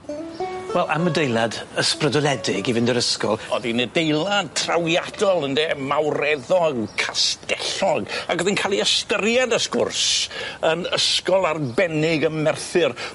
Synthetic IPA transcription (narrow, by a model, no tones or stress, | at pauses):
wɛlˠʔa̰mədejlˠadəsprədɔlˠɛdɪɡivɪndəɾəskɔ̰lˠɔðinɛdejlˠad̚tʰrawjad̥ɔlˠəndɛmawrɛðɔɡkʰastɛɬɔɡaɡwəðɪnkʰaːlˠiəstərjadəskʊ̰rsənəskɔlˠarbɛnɪɡəmɛrθɨr